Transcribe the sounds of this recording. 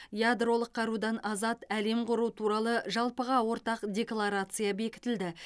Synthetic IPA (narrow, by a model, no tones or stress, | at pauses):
jad̪ɾo̞lˠəqʰːɑɾud̪ɑnɑzɑt̪æle̞mqʰʊɾut̪ʰuɾɑlˠəʒɑlˠpəʁɑwo̞ɾt̪ɑqd̪ʲe̞klˠaɾat̪sɨjabe̞kʲɪ̥t̪ɪld̪ɪ